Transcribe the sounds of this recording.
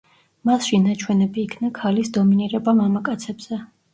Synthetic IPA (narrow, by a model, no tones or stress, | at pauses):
masʃinat͡ʃʰwɛnɛbiːkʰnakʰalisd̪ɔminiɾɛbamamakʼat̪sʰɛbz̥ɛ